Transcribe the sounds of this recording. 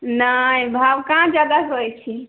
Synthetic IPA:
naĩbʱabkãd͡ʒjad̪aɦojt͡ʃʰi

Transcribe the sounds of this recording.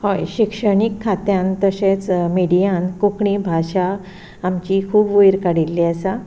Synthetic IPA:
hojɕikʂəɳikʰːat̪jãnt̪əɕet͡smiɽijãnkukɳibʱaɕaː | mt͡ɕiːkʰuːbujɾkaɽilːiasa

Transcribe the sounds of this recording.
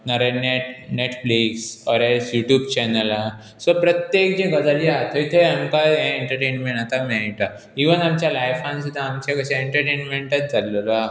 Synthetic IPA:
naɾeneʈneʈfliksɔɾesjuʈjubt͡ɕɛnəla | sɔpɾət̪jekd͡ʑeɡəd͡zəliat̪ʰɔit̪ʰeamkaẽeɳʈəɾʈenmẽɳat̪amɛjʈa | iʋənamt͡ɕjalajfãns̬ud̪ʱaːmt͡ɕekəɕẽeɳʈəɾʈenmẽɳʈət͡sd͡zalola

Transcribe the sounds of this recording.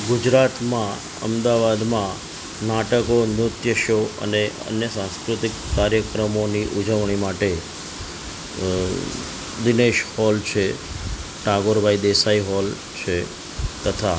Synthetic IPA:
ɡud͡ʒɾat̪mã | ə̰md̪aʋad̪mã | naʈəkonʊt̪jəʃoə̰neə̰njəsãskɾut̪ikːaɾjəkɾəmoniʔud͡ʒəʋɽ̃imaʈe | d̪ineʃhɔlt͡ʃʰe | ʈaɡoɾbʱaid̪esaiɦɔl | t͡ʃʰe | t̪ət̪ʰa

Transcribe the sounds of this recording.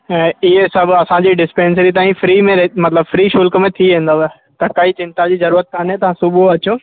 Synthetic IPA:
ɛ̃ːɪɦeɪsɐbɐsãd͡ʑiːɖɪspẽːns̬ɾit̪aːĩfɾiːmẽɾemɐt̪ləbfɾiːʃʊlkə̆mẽt̪ʰiʋẽːnd̪aɛ | t̪ɐkɐit͡ɕɪ̃nt̪ad͡ʑiːzɐɾuːɾət̪̚kʰaːnɦet̪ɐʋ̤ãsʊbuɐt͡ɕoː

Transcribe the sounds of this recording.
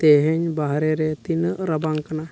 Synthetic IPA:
t̪eɦɛɲbaɦɾɛɾɛt̪inɾabaŋkana

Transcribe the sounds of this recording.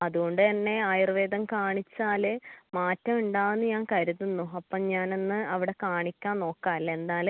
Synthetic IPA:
ɐðuɣo̞ɳɖɨt̪ɐnːe̞aːjrɨʋeːd̪ɐmkaːɳit͡ɕːaːlɨmaːtːɐmuɳɖaːwnːɨɲaːnkɐɾuðunːuɐpːɐmɲaːno̞nːɨɐʋiɽe̞kaːɳikʲːaːnno̞ːkːaːɐlːɐe̞nd̪aːl

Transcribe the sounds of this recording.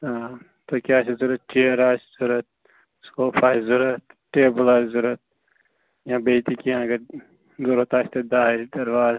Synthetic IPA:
aː | t̪okʲaːsizuɾɐt̪̚t͡ʃeːɾaːszuɾɐt̪̚ | skoːpʰaːzuɾɐt̪̚ʈeːbəlaːszuɾɐt̪̚ | jãːbeːt̪ikiãɡɐɾ | zuɾot̪aːst̪ed̪aːɦiɾid̪ɐɾʋaːz

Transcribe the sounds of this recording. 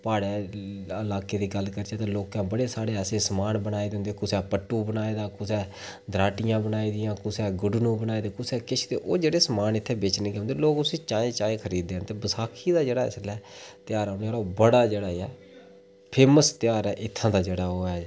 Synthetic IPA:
paːɽeːəlaːkeːd̪iːɡəlkəɾd͡ʒaːt̪ãːloːkãːbəɽeːsaːɽeːseːsəmaːnbənaːeːd̪eʊ̃ːnd̪eːkʊsɛːpəʈːũːbənaːeːd̪aːkʊsɛː | d̪ɾaːʈɪjãːbənaːiːd̪ɪjãːkʊsɛːɡʊɖnũːbənaːeːd̪eːkʊsɛːkɪʃʰd̪eːʔoːd͡ʒeːɽeːsəmaːnɪt̪ʰːeːbeːt͡ʃnẽːkːõːnd̪eːloːkʊsĩːt͡ʃaːẽːt͡ʃaːẽːkʰəɾiːd̪ːeːɦnt̪eːbəsaːkʰiːd̪aːd͡ʒeːɽaːɪ̰slɛːt̪ɪjaːɾaʊneːɽaːbəɽaːd͡ʒeːɽaːɛː | pʰeːməst̪ɪjaːɾɛːʔɪt̪ʰːãːd̪aːd͡ʒeːɽaːoːɛː

